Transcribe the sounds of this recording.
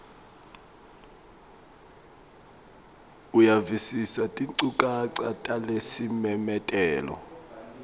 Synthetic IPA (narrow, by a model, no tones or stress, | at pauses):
ujavisisatʼiǀukʼaǀatʼalesimɛmɛtʼɛːlɔ̰